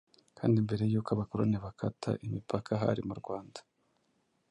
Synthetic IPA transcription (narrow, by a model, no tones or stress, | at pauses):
kʰaːndimbe̞ɾe̞jukaβakoɾoneβakatʰa̰ʔimipʰakʰaɦa̰ɾimuɾɡwaːndḁ